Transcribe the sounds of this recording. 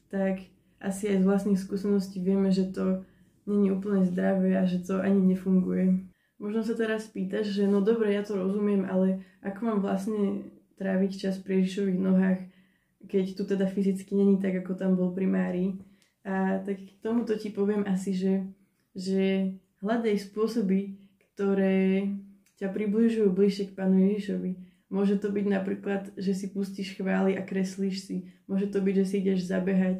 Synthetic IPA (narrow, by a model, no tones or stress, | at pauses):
t̪ak | ʔa̰siajzʋlastnixs̬kuːsɛnɔsciːʋɪɛmɛʒɛt̪ɔ | ɲɛɲiuːpl̩ɲɛzd̪ɾaʋɛaʒɛt̪ɔʔaɲiɲɛfuŋɡujɛ | mɔʒnɔsat̪ɛɾaspiːt̪aɟʒɛnɔd̪ɔbɾɛjat̪ɔɾɔzumɪɛmʔalɛʔakɔmaːmʋlasɲɛ | t̪ɾaːʋict͡ʃaspɾijɛʒiʃɔʋiɣnɔɦaːx | kɛct̪ut̪ɛd̪afizit͡skiɲɛɲit̪aɡakɔt̪ambɔlpɾimaːɾiː | at̪akt̪ɔmut̪ɔcipɔʋɪɛmʔasiʒɛ | ʒɛ | ɦlad̪ɛjspʊɔsɔbikt̪ɔɾɛː | capɾibliʒujubliʃɛk̚paːnujɛʒiʃɔʋi | mʊɔʒɛt̪ɔbiɟnapɾiːklad̪ʒɛsipusciʃxʋaːliʔakɾɛsliʃsimʊɔʒɛt̪ɔbiɟʒɛs̬iiɟɛʒzabɛɦac